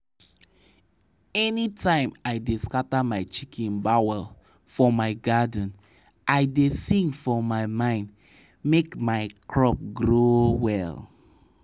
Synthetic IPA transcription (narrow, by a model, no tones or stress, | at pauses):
ɛnitãɪ̃maɪdeskatamaɪt͡ʃikʰĩnbawɛl | fɔmaɪɡadən̩ | ʔaɪdesĩŋɡfɔmaɪmãɪ̃nd | mekmaɪkʰɹɔp̚ɡɹowɛl